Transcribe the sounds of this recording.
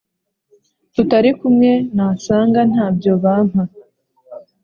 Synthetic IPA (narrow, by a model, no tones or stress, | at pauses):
tutaɾikumŋe̞nasaːŋɡan̥haːbɟo̞βaːm̥ha